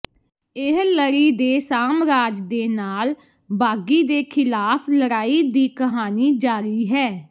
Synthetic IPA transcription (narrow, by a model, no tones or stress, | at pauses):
ɪɦləɾiːd̪eːsaːmɾaːd͡ʒd̪eːnaːl | baːɡiːd̪eːkʰɪlaːpʰləɾaːiːd̪iːkəɦaːniːd͡ʒaːɾiːɦɛː